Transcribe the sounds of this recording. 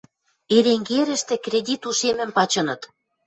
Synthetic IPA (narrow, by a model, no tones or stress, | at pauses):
eɾeŋɡeɾə̆ʃt̪ĕkrʲedʲit̪uʃemɘ̆mpɑt͡ɕɤ̆nɤ̆t̪